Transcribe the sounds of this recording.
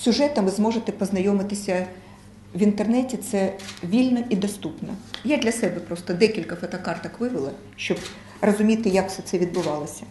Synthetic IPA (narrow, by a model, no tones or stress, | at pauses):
sʲʊʒɛt̪ɐmʋɪzmɔʒet̪ɛpɔznɐjɔmɪt̪ɪsʲɐ | ʋʲint̪ernɛtʲit̪sɛʋʲilʲnɐid̪ɐst̪upnɐjad̪ʲlʲɐsɛbɛpɾɔst̪ɔd̪ɛkʲilʲkɐfɔt̪ɐkɑrt̪ɐkʋɪʋɪlˠɐ | ʃt͡ʃɔb | rɔzʊmʲit̪ɪjaksɛt̪sɛʋʲid̪̚bʊʋɑlˠɐsʲɐ̥